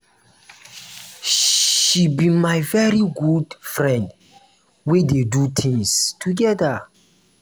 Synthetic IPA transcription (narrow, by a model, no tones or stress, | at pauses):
ʃibimajvɛɹiɡudfɹɛ̃nd | wededutʰĩŋstʰuɡɛda